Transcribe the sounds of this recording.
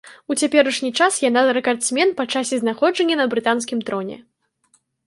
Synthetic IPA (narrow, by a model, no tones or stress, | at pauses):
ut͡sʲapʲɛɾɐʂnʲit͡ʂasjanaɾɛkart̪smʲɛnpɐt͡ʂasʲɛznaxɔd͡ʐɐnʲːɐnɐbɾɨt̪ans̬kʲimt̪ɾɔnʲɛ̰